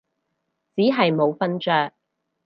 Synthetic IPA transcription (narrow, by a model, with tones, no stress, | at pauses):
t͡siː˨˥ɦɐ˨jmo˨˧wfɐ˥nt͡ʃœː˧k̚